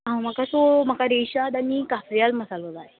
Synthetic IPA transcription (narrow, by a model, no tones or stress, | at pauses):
ɦãm̤əkat̪om̤əkaɾeɕad̪aɽikafɾijalməsalolaɦe